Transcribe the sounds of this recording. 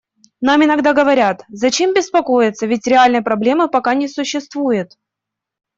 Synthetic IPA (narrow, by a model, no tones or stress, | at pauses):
namɪnɐɡd̪aɡəvɐɾʲat̪zɐt͡ɕe̞mbʲɪspɐko̞jɪt̪sːəvʲɪtʲɾʲɪalʲnɨjəpɾɐblʲe̞mɨpɐkanʲɪsʊɕːɪst̪vujɪt̪